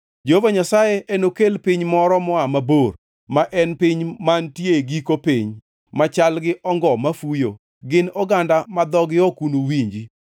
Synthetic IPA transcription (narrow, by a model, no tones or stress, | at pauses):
d͡ʒeovaɲasajeʔɛnokelpɪɲmɔɾɔmɔamabor | maʔɛnpɪɲmantjeɡikopɪɲ | mat͡ʃalɡɪʔɔŋɡɔmafujo̰ | ɡɪnɔɡandamad̪ɔɡɪɔkunowiɲd͡ʒi